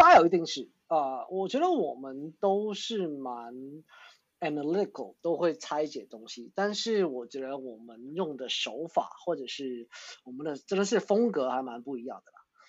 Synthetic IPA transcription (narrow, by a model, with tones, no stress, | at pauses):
t̪a˥jo˨˩ʊi˧˥t̪i˥˧ŋʂɻ̩˥˩ | ə˧wʔɔ˨˩t͡ɕɥɛ˧˥d̪ə˧wɔ˨˩mə˦nt̪o˥ʊʂɻ̩˥˩ma˧˦n | ɛ˨na˧li˥t̪ɪ˨kʰə˨˩lt̪o˥ʊxwe˥˩ɪt͡sʰa˥ɪt͡ɕjɛ̰˨˩t̪o˥ŋɕi˨t̪a˥˧nʂɻ̩˥˩wɔ˨˩t͡ɕɥɛ˧˥d̪ə˧wɔ˨˩mə˦njʊ˥˩ŋd̪ə˩ʂo˧˥ʊfa̰˨˩˦xwɔ˥˩ʈ͡ʂɤ˨˩ʂɻ̩˥˩wɔ˨˩mə˨˦nd̪ə˧ʈ͡ʂə˥nd̪ə˨ʂɻ̩˥˩fɤ˥ŋkɤ˧˥xa˧˥ɪma˧˦˥npu˥˩i˧˥jɑ˥˩ŋd̪ə˩mə˩